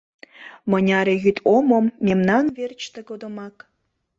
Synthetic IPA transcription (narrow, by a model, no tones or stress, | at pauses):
mə̆nʲɑɾejyt̪ʰomomːemnɑnvert͡ɕt̪eɡod̪omɑk